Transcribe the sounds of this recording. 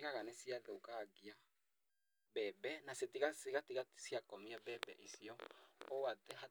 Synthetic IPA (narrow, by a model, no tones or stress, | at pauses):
ɣaɣanɛsiatɛokaɡia | bɛbɛnasetiɣaseɣatiɣasiakɔmiabɛbɛ̰ʔisiɔoatɛɦa